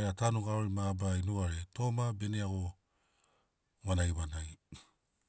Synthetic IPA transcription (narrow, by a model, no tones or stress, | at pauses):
eatanuɡaoɾimabainuaɾeto̞mabe̞neaɡo̞ | wanajβanaj